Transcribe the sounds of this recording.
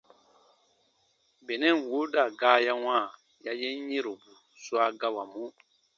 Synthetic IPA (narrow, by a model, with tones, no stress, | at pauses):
bɛ˨nɛ˦˨n˨wo˦da˦˨ɡaː˦ja˦ŋãː˦˨ | ja˦jɛ˦n˦ɲe˦ɾo˨bu˨ | su˦a˦ɡa˦wa˨mũ˦